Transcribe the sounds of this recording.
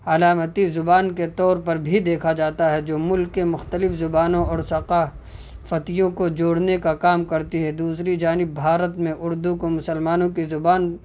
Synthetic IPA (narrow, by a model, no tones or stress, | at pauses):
ɐlaːmət̪izʊbaːnket̪ɔːɾpɐɾbʱid̪eːkʰad͡ʒaːt̪aɦɛd͡ʒoːmʊlkːemʊxt̪əlɪfzʊbaːnõɔːɾsɐqa | fɐt̪ijõkod͡ʒoːɽnekakaːmkɐɾt̪iɦɛd̪uːsɾid͡ʒaːnɪbːʱaːɾət̪mẽʔʊɾd̪ukomʊsəlmaːnõkizʊbaːn